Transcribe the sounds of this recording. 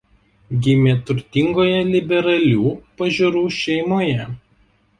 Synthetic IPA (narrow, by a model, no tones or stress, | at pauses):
ɡʲɪmʲeːt̪ʊɾʲt̪ʲɪŋɡoːjɛlʲɪbʲɛɾɐlʲuːpɐʒʲuɾuːʃʲɛɪmoːjɛ